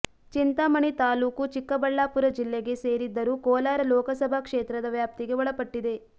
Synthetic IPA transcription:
t͡ʃint̪amɐɳit̪aːluːkut͡ʃikːɐbɐɭːaːpuɾɐd͡ʒilːeɡe̞se̞ːɾid̪ːɐɾukɔːlaːɾɐlɔːkɐsɐbʱakʂeːt̪ɾɐd̪ɐʋjaːp̚t̪iɡe̞ʋɔɭɐpɐʈːid̪e̞

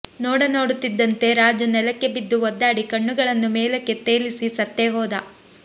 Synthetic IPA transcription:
noːɽɐno̞ːɽut̪ːid̪ːɐnt̪e̞ɾaːd͡ʒɐnɛlɐkːe̞bid̪ːuɔd̪ːaːɽikɐɳːuɡɐɭɐnːumeːlɐkːe̞t̪eːlisisɐt̪ːeɦɔːd̪ɐ

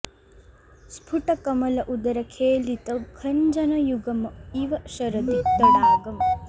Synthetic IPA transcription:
spʰuʈɐkɐmɐlɐʔud̪ɐɾɐkʰeːlit̪ɐkʰɐɲd͡ʒɐnɐjuɡɐmiʋɐʃɐɾɐd̪id̪ɐlaːɡɐm

